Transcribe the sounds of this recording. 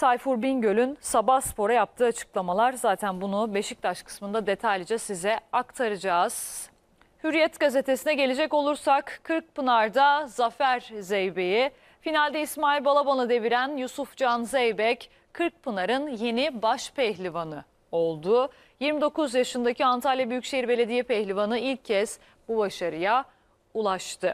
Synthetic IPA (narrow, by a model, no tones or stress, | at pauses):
t̪ʰajfuɾbinɟø̞lʲynsabaspo̞ɾajap̚t̪ʰɯːat͡ʃʰɯ̥klˠamalˠaɾzaːt̪ʰænbunube̞ʃic̚t̪ʰaʃkʰɯ̥smɯnd̪ad̪e̞t̪ʰajlʲd͡ʒɛsizɛakt̪ʰaɾɯd͡ʒaːz̥ | hyɾijɛt̪ɡaze̞t̪ʰe̞sinɛɟe̞lʲed͡ʒɛco̞lˠuɾsakʰːɯɾk̚pɯnaɾd̪azafæɾzejbe̞ji | finalʲd̪ɛismaːilʲbalˠabanˠɯd̪e̞viɾænjusufd͡ʒanzɛjbɛc | kʰːɯɾk̚pʰɯnaɾɯnje̞nibaʃpʰɛçlʲivanɯ | o̞lˠd̪ʊ | jiɾmid̪o̞kuzjaʃɯnd̪aciant̪ʰalʲjabyjycʲʃe̞jiɾbe̞lʲe̞d̪ijɛpɛçlʲivanɯilʲcʰːɛs | bubaʃaɾɯja | ulˠaʃt̪ʰɯ